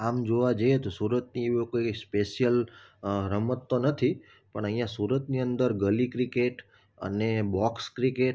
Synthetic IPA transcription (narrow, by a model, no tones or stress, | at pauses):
amd͡ʒoʋad͡ʒəjet̪osuɾət̪̚nieʋokoispeʃjəl | ɾəmət̪ːonət̪ʰi | pəɳəɦĩjãsuɾət̪niənd̪əɾɡəlikɾikeʈ | ə̰nebɔkskɾikeʈ